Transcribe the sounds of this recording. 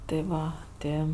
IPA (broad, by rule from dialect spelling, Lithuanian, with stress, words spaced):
tʲɪ ˈʋɐ ˈtʲɪ